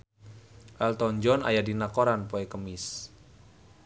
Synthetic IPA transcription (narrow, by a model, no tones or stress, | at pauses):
ʔɛlt̪ɔɲd͡ʒɔna̰jadinakɔɾanpoekəmɪs